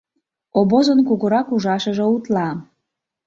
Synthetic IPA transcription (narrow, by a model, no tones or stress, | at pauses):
oβozənkuɣəɾɑkuʒɑʃəʒĕut̪lɑ